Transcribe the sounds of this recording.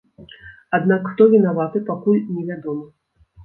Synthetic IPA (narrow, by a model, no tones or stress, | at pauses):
ad̪nakxt̪ɔvʲɛnavat̪ɨpakulʲnʲɛvʲad̪ɔmɐ